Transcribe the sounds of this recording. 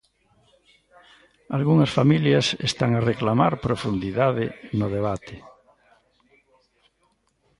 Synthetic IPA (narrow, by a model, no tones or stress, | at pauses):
alɣuŋɐsfamiljasḛst̪aŋareklamaɾpɾofund̪iðaðɪnʊðeβ̞at̪ɪ